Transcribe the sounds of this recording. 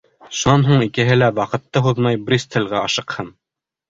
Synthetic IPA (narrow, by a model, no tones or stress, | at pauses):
ʃunɑnɦuɴikɘ̆ɦɘlæwɑqɤ̆t̪ːɤɦuðmɑjbɾʲist̪ʰɘ̆lʲʁæɑʃɤ̆qhɤn